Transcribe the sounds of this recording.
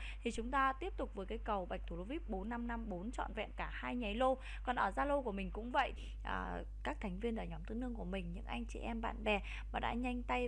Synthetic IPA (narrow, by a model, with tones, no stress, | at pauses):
t̪ʰi˨˩t͡ɕʊ˨˦ŋ͡mt̪aː˧t̪i˦˥əp̚t̪ʊ˨˩k͡p̚vəː˨˦jka˨˦jkə˨˩wɓa˨˩jk̚t̪ʰu˧˩lo˧vi˦˥p̚ɓo˨˦nːa˧mna˧mɓo˨˦nt͡ɕɔ̰˧˨nvɛ̰˧˨nkaː˧˩haː˧jɲa˨˦jlo˧ | kɔ˨˩nʔəː˧˩zaː˧lo˧ku˧˩əmï˨˩ŋ̟kʊ̰˧˥ŋ͡mvə̰˧˨j | ʔəː˨˩ | kaː˦˥k̚t̪ʰa˨˩ŋ̟vi˧ənɗəː˧˩ɲɔ˨˦mt̪ɨ˧˦nɨ˧əŋku˧˩əmï˨˩ŋ̟ɲɨ̰˧˥ŋʔa˧jŋ̟t͡ɕḭ˧˩ʔɛ˧mɓa̰ː˧˨nɓɛ˨˩ | maː˨˩ɗa̰ː˧˥ɲa˧jŋ̟t̪a˧j